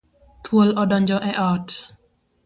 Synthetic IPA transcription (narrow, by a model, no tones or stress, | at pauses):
t̪ʰwolɔdɔɲd͡ʒɔʔɛʔɔt